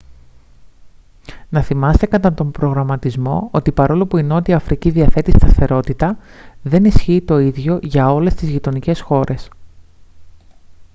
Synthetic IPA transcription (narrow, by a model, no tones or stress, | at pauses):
nɐθimɐst̪e̞kɐt̪ɐt̪o̞mbɾo̞ɣɾɐmɐt̪izmo̞̰o̞t̪ipɐɾo̞lo̞puino̞t̪iɐfɾʔiciðiɐθe̞t̪ist̪ɐθe̞ɾo̞t̪it̪ɐðe̞nisçiːt̪o̞iðʝo̞ʝɐo̞le̞st̪izʝit̪o̞nice̞sxo̞ɾʔe̞s